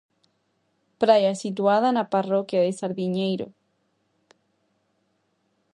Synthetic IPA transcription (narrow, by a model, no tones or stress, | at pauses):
pɾajasit̪̬waðanaparokjaðesaɾðiɲejɾo̰